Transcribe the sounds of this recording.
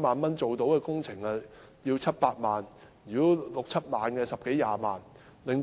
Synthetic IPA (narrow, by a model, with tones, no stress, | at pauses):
maː˨˩nmɐ˥nt͡so˨wt̪o˨˥wkɛː˧kʊ˥ŋt͡sʰɪ˨˩ŋɐ˨ | jiː˧wt͡sʰɐ˥t̚paː˧t̚maː˨njyː˨˩o˥lʊ˨k̚t͡sʰɐ˥t̚maː˨nkɛː˧sɐ˨p̚ke˨˥jːaː˧maː˨n | lɪ˨ŋ